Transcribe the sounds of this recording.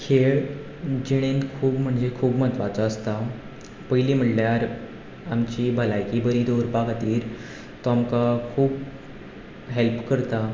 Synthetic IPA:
kʰeɭ | d͡ʑeɽ̃enkʰuːbm̤əɳd͡zekʰuːbm̤ət̪ʋat͡saəst̪a | pəjiliːm̤əʈljaɾ | amt͡ɕiːbʱəlajkiːbəɾiːd̪oɾpakat̪iːɾ | t̪oamkakʰuːb | ɦelpkəɾt̪a

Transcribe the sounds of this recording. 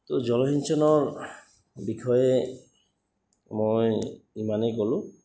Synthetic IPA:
t̪od͡ʑɔlɔɦinsɔnɔɹ | bikʰɔe | mojimanekolu

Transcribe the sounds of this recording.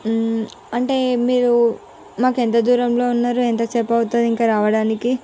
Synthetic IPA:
ɐɳʈe̞ːmiːɾu | maːkent̪̬ɐd̪uːɾɐmlo̞ːunːaːɾuent̪ɐt͡ʃɛːpːɐut̪und̪iŋkaːɾaːʋɐɽaːniki

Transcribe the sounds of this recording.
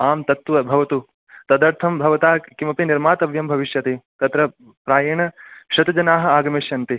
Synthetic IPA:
aːmt̪ɐt̪ʋɐbʱɐʋɐt̪u | t̪ɐd̪ɐɾt̪ʰɐmbʱɐʋɐt̪aːkimɐpiniɾmaːt̪ɐʋjɐmbʱɐʋiʃjɐt̪et̪ɐt̪ɾɐ | pɾaːjɐɳɐʃɐt̪ɐd͡ʒɐnaːɦɐ̆aːɡɐmeʃjɐnt̪i

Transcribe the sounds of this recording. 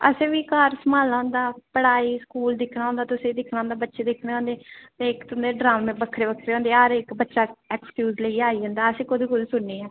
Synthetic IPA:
ə̰sẽːʋiːkaːɾsəmaːlãːnd̪aːpəɽaːiːskuːld̪ɪkʰnaːɦõnd̪aːt̪ʊsẽːd̪ɪkʰnaʊ̃ːnd̪aːbətːʃeːd̪ɪkʰneːõːnd̪eːt̪eːɪkt̪ʊnd̪eːɖɾaːmẽbəkʰːɾeːbəkʰɾeːõːnd̪eːɦəɾɪkbətːʃaːɛːkskjuːzləiːaːiːɦə̃ːnd̪aːəsẽːkod̪iːkʊd̪sʊɳniːɛː

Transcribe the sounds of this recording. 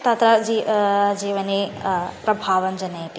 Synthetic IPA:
t̪ɐt̪ɾɐd͡ʒid͡ʒiːʋɐneːpɾɐbʱaːʋɐnd͡ʒɐnɐjt̪i

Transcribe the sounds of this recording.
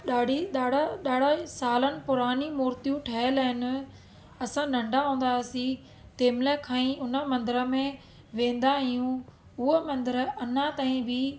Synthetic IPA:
ɗaːɖʱiɗaːɽɗaːɽ̤asaːlənɪ̆pʊɾaːnimʊːɾt̪ijũʈʰɐɦələɦɪn̆ | ɐsãnɐ̃ɳɖaɦũːn̆d̪asi | t̪eːmləkʰãːĩʊnə̆mɐ̃nd̪ɪɾəmẽ | ʋẽːn̆d̪aɦijũ | ʊɦəmɐ̃nd̪əɾəɐnat̪aːĩbʱɪ

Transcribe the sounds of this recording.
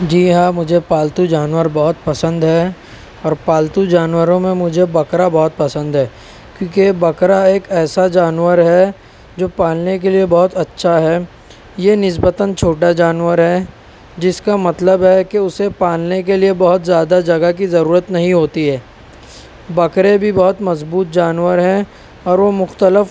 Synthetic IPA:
d͡ʒiːɦãːmʊd͡ʒʱepaːlt̪ud͡ʒaːnwəɾbɐɦʊt̪pɐsə̃nd̪ɦɛ | ɔːɾpaːlt̪ud͡ʒaːnwəɾõmẽmʊd͡ʒʱebɐkɾabɐɦʊt̪̚pɐsə̃nd̪ɦɛː | kjõːkebɐkɾaeːkɛːsad͡ʒaːnwəɾɦɛ | d͡ʒoːpãːlnek̬eliebɐɦʊt̪ɐtːʃʰaɦɛː | jenɪsbət̪ənt͡ʃʰoːʈad͡ʒaːnʋəɾɦɛ | d͡ʒɪskamɐt̪ləbɦɛkeʊsepãːlnek̬eliebɐɦʊt̪zjaːd̪ad͡ʒɐɡak̬izɐɾuːɾət̪nɐɦĩɦoːt̪iɦɛː | bɐkɾẽbʱibɔɦʊt̪mɐzbuːt̪̚d͡ʒaːnwəɾɦɛ̃ | ɔːɾʋomʊxt̪əlɪf

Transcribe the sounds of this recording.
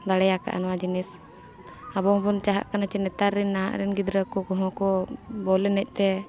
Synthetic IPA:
d̪aɽɛjaka̰ʔa̰nɔwad͡ʒinis | abɔɦbɔnt͡ʃaɦa̰ʔkanat͡ʃɛnɛt̪aɾːinːaɦa̰ʔɾɛnɡid̪ɾəkɔkɔɦɔ̃kɔbɔlɛnɛc̚ˀt̪ɛ

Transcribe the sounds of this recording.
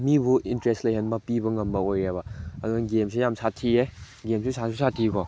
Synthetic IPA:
mibuintɾestlɐjɦɐnbɐpibɐŋɐmbɐojabɐɐduŋɐɡemsʰejamsʰatʰie | ɡemsusʰasusʰatʰikɔ

